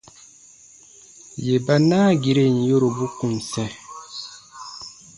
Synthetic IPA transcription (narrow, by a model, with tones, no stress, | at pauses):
je˨ba˨naː˦ɡi˨ɾe˦n˨jo˦ɾo˨bu˦ku˨n˨sɛ˦